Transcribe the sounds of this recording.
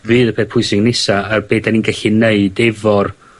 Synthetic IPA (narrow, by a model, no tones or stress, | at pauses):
vɨːðəpʰeːθpʰʊjsɪŋnɪsaarbeːdaninɡɛɬineɨdɛvɔr